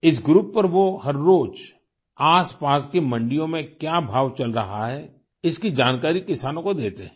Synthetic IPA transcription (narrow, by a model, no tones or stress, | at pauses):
ɪs̬ɡɾuːpːɐɾʋohɐɾːoːd͡ʒ | aːspaːskemɐ̃ɳɖijõmẽkjaːbʱaːʋt͡ʃɐlɾɐɦaɦɛː | ɪskid͡ʒaːnkaːɾikɪsaːnõkod̪eːt̪eɦɛ̃